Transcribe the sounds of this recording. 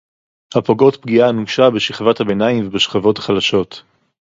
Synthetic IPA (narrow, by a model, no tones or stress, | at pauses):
hapo̞ɡo̞tpɡianuʃabeʃiχvathabe̞naimvebeʃχavo̞tḁχalaʃo̞t